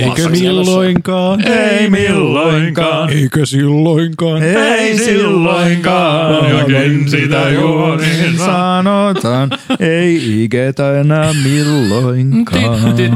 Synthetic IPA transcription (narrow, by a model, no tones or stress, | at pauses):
eikømilːoiŋkɑːneimilːoiŋkɑneikøsilːoiŋkɑːneissilːoiŋkɑːinsit̪æjuoninsɑnot̪ɑːn | eiiket̪æenɑmilːoiŋkɑː